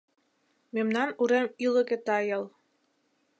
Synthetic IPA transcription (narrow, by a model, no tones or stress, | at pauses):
memnɑnuɾemilˠɤ̆ɣĕt̪ɑjɤlˠ